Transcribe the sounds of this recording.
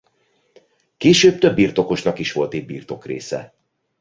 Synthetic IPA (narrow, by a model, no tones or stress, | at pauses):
keːʃøːb̚t̪øbːiːrt̪o̞ko̞ʃnɒkiʃʋo̞lt̪iɟ̚biːrt̪o̞krḛːsɛ̰